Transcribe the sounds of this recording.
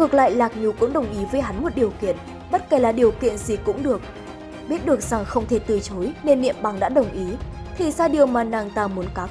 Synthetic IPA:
ŋɨ˨˩ək̚la̰ː˧˨jlaː˨˩k̚ɲu˨˩kʊ̰˧˥ŋ͡mɗə˨˩wŋ͡mʔi˨˦vəː˨˦jɦa˨˦nmo˨˩t̚ɗi˨˩əwkḭ˧˨ən | ɓə˦˥t̚ka˧˩laː˨˩ɗi˨˩əwkḭ˧˨ənzi˨˩kʊ̰˧˥ŋ͡mɗɨ˨˩ək̚ | ɓi˦˥ət̚ɗɨ˨˩ək̚z̥a˨˩ŋxə˧wŋ͡mt̪ʰe˧˩t̪ɨ˧˩t͡ɕo˨˦jne˧nːḭ˧˨əmɓa˨˩ŋɗa̰ː˧˥ɗə˨˩wŋ͡mʔi˨˦t̪ʰi˨˩saː˧ɗi˨˩əwmaː˨˩naː˨˧˩ŋt̪aː˧mu˨˦ənkaː˨˦

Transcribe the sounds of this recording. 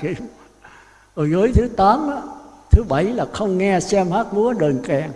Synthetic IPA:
i˧˩m | ə˨˩zə˨˦jt̪ʰɨ˨˦t̪aː˨˦mʔaː˨˦˥t̪ʰɨ˨˦ɓa˧˩jlaː˨˩xə˧wŋ͡mŋɛ˧sɛ˧mhaː˦˥t̚mu˨˦əɗəː˨˩nkɛ˨˩ŋ

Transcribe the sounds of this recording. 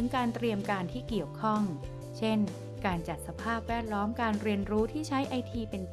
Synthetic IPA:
ɯ˩˦ŋkaː˧nt̪ɾi˧əmkaː˧nt̪ʰiː˥˩ki˨˩əwkʰɔ˥˩ŋ | t͡ɕʰe˥˩n | kaː˧nt͡ɕa˨˩t̪̚sa˧pʰaː˥˩p̚wɛː˥˩t̪̚lɔː˦˥mkaː˧nɾi˧ənɾuː˦˥t̪ʰiː˥˩t͡ɕʰa˦˥jʔa˧jt̪ʰiː˧pe˧nt̪

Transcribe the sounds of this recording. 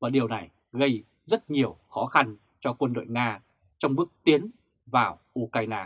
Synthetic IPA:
vaː˨˩ɗi˨˩əwna˨˩j | ɣə˧j | zə˦˥t̚ɲi˨˩əwxɔ˨˦xa˧n | t͡ɕɔ˧kwə˧nɗo̰˧˨jŋaː˧ | t͡ɕɔ˧wŋ͡mɓɨ˦˥ək̚t̪i˨˦ən | vaː˨˩wʔu˧kaː˧jnaː˧

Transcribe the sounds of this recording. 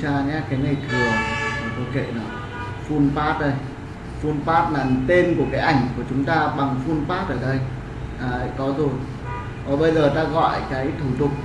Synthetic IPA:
t͡ɕaː˧ɲa˨˦kaː˨˦jna˨˩jt̪ʰɨ˨˩əŋː˨˩t̪o˨˦kḛ˧˨nɔ˨˦ | fu˧npaː˦˥t̚ɗə˧j | fu˧npaː˦˥t̚laː˨˩n˨t̪e˧nku˧˩əkaː˨˦jʔa˧˩jŋ̟ku˧˩ət͡ɕʊ˨˦ŋ͡mt̪aː˧ɓa˨˩ŋfu˧npaː˦˥t̚ʔəː˧˩ɗə˧j | ʔaː˨˩˨kɔ˨˦zo˨˩j | vaː˨˩ɓə˧jzəː˨˩t̪aː˧ɣɔ̰˧˨jʔkaː˨˦jt̪ʰu˧˩t̪ʊ˨˩k͡p̚

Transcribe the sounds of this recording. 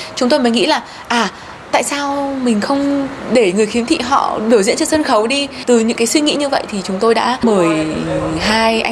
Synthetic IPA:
t͡ɕʊ˨˦ŋ͡mt̪o˧jməː˨˦jŋḭ˧˥laː˨˩ | ʔaː˨˩ | t̪a̰ː˧˨jsaː˧wmï˨˩ŋ̟xə˧wŋ͡mɗe˧˩ŋɨ˨˩əjxi˨˦əmt̪ʰḭ˧˨ɦɔ̰˧˨ɗɨ˨˧˩əzḭ˧˥nt͡ɕɨ˧sə˧nxə˨˦wɗi˧t̪ɨ˨˩ɲɨ̰˧˥ŋkaː˨˦jswi˧ŋḭ˧˥ɲɨ˧və̰˧˨jt̪ʰi˨˩t͡ɕʊ˨˦ŋ͡mt̪o˧jɗa̰ː˧˥məː˨˩j | ɦaː˧jʔa˧

